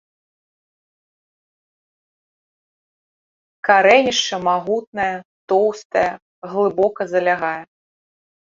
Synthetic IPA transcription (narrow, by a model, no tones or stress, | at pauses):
kaɾɛnʲiʂt͡ʂɐmaɣut̪̚nɐjɐt̪ɔwst̪ɐjɐ | ɣlˠɨbɔkɐzɐlʲaɣajɛ